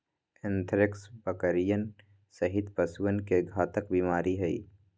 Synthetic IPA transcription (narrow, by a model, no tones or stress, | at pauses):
ɪnt̪ʰɾɪksbəkəɾijən | sɐɦɪt̪pɐswənkeɡʱaːt̪əkbiːmaːɾiɦɛḭː